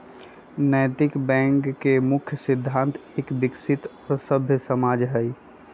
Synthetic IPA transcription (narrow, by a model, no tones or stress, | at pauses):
nəjt̪ɪkbɛ̃ŋkːemʊkʰjəsɪd̪ʱːãnt̪ʰeːkbɪksɪt̪ɔːɾsəbʱjəsəmad͡ʒɦɛj